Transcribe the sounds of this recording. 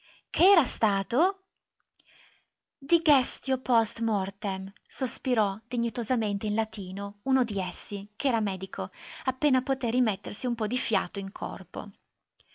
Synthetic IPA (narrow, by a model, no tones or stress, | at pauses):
kʰeɛːɾast̪aːt̪o | d̪iɡɛst̪jopɔst̪mɔrt̪em | sospiɾɔd̪iɲːit̪ozament̪einlat̪iːnounod̪iesːikeɛːɾamɛːd̪ikʰoapːeːnapot̪erːimet̪ːersiumpɔd̪ifja̰ːt̪oiŋkʰɔ̰rpo̰